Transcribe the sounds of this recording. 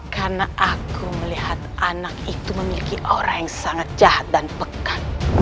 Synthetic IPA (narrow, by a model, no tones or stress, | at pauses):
karnaʔakuməlihat̪ʔanakit̪uməmilikiʔoɾaŋjaŋsaŋat̪̚d͡ʒahat̪̚danpəkan